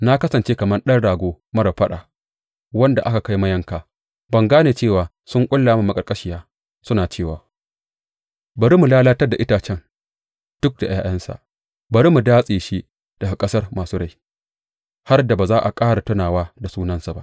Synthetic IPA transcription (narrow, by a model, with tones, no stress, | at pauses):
na˦kɐ˦sɐ˨nt͡ʃeː˦kɐ˨mɐ˦nɗɐ˦nɽaː˨ɡʷoː˦ | mɐ˦ɾɐ˨ɸɐ˦ɗa̰˨ | wɐ˦nda̰˨ʔa˦ka˨ka˦jmɐ˦jɐ˦ŋkaː˨ | bɐ˨ŋɡaː˦neː˨t͡ʃeː˦˨waː˨ | sʊ˦ŋkʷʼʊ˦lːaː˨ma˦mɐ˨kʼɐ˨rkʼɐ˦ʃɪ˨jaː˦ | sʊ˦naː˨t͡ʃeː˦˨waː˨ | bɐ˨ɾi˦mu˨laː˦laː˦tɐ˦rda˨ʔɪ˦taː˨t͡ʃɛ˦ŋ | d̥ʊ˦k̚da˨j̰a̰ː˦˨j̰ɐ˦nsa̰˨ʔ | bɐ˨ɾi˦mu˨daː˦sʼiː˨ʃi˦ | d̥ɐ˨ɡa˨kʼɐ˦sɐ˦rmaː˨suː˦ɽa˨j | ha˦rda˨baː˨zaː˦ʔa˨kʼaː˦ɽa˨tʊ˦naː˨waː˦da˨suː˦nɐ˦nsa˨ba̰˦ʔ